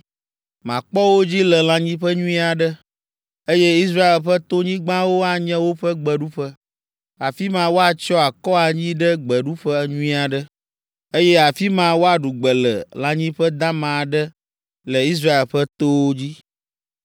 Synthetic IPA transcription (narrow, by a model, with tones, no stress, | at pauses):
mã˨k͡pɔ˦wo˦d͡ʑi˦lɛ˨lã˨ɲĩ˦ɸə˦ɲũ˦ĩ˦a˨ɖə˦ | e˦jɛ˦i˦s̬ɾa˦e˨lɸɛ˦t̪o˦ɲĩ˦ɡ͡bã˦wo˦a˨ɲɛ̃˦wo˦ɸə˦ɡ͡bɛ˨ɖu˦ɸə˦ | a˨fi˦mã˦wo˦a˨t͡ʃɔ˦a˨kɔ˦a˨ɲĩ˦ɖə˦ɡ͡bɛ˨ɖu˦ɸɛ˦ɲũ˦ĩ˦a˨ɖə˦ | e˦jɛ˦a˨fi˦mã˦wo˦a˨ɖu˨ɡ͡bɛ˨lɛ̰˨lã˨ɲĩ˦ɸə˦d̪ã˦mã˨ɖə˦ | lɛ˨i˦s̬ɾa˦e˨lɸɛ˦t̪o˦wo˦d͡ʑi˦